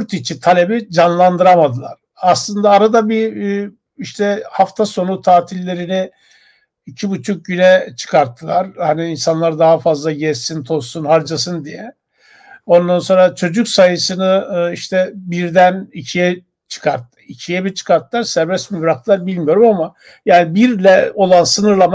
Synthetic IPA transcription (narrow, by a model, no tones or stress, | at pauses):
ɾt̪ʰit͡ʃʰit̪ʰalʲe̞bid͡ʒanlˠand̪ɯɾamad̪ɯlˠa̰ɾ̥ | aslˠɯnd̪aːɾad̪abi | iʃt̪ʰɛhaft̪ʰaso̞nut̪ʰaːt̪ʰilʲːe̞ɾini | icʰibut͡ʃʰuk̚ɟynɛt͡ʃʰɯ̥kʰaɾt̪ʰːɯlˠaɾ̥haniːnsanlˠaɾd̪aɦafazlˠaɟɛzsint̪ʰo̞ssunhaɾd͡ʒas̬ɯnd̪ijɛ | o̞nd̪anso̞nɾat͡ʃʰo̞d͡ʒycsajɯsɯnɯiʃt̪ʰɛbiɾd̪ænicʰijɛ | t͡ʃʰɯ̥kʰaɾt̪ːɯicʰijɛbit͡ʃʰɯ̥kʰaɾt̪ʰːɯlˠaɾsæɾbɛsmibɾak̚t̪ʰɯlˠaɾbilʲmijo̞ɾumama | jaːnibiɾlʲɛo̞lˠansɯnɯɾlˠama